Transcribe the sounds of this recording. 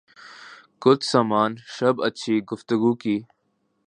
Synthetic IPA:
kʊt͡ʃʰsaːmaːnʃəbətːt͡ʃʰiːɡʊft̪əɡuːkiː

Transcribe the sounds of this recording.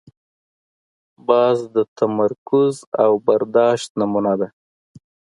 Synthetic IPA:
bɑzd̪ət̪ʰamaɾkʊzawbaɾd̪ɑʃt̪namunad̪a

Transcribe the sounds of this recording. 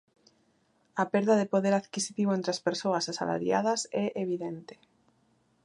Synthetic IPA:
apeɾðɐðepoðeɾaðkisit̪iβoent̪ɾeaspeɾsoɐsasa̰la̰ɾja̰ð̞ɐsɛʔeβiðent̪e̥

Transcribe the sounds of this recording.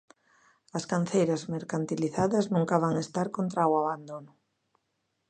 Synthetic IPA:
ɐskan̟θejɾɐzmeɾkant̪iliθaðɐznũŋkaβaŋest̪aɾkont̪ɾawaβand̪onʊ

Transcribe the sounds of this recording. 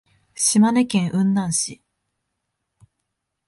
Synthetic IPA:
ɕimane̞kẽ̞ɰ̃ʔɯ̟̃nd̪ãɰ̃ɕi

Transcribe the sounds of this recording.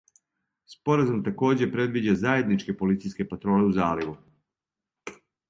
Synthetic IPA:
spo̞ɾazumt̪ako̞ːd͡ʑe̞pɾe̞d̪ʋiːd͡ʑazaje̞d̪nit͡ʃke̞po̞lit̪sijske̞pat̪ɾo̞ːle̞uzaːliɡu

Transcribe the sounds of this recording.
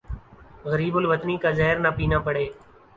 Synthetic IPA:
ɣəɾiːbʊlʋət̪niːkaːzaːɦɪɾnaːpiːnãːpəɽeː

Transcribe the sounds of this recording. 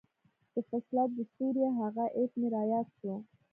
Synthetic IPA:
d̪̥əfaslɑt̪̚d̪əsuɾjaɦaɣaʔet̪nɪɾɑjɑt̪ʃo

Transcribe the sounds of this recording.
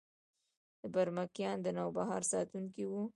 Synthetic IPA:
d̪̥əbaɾmakjɑnd̪ənɑwbaɦɑɾsɑt̪uŋkiwu

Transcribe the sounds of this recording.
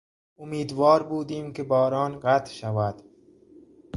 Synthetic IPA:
ʊmiːd̪vɒːɾbuːd̪iːmkebɒːɾɒːnɣat̪ʃavad̪

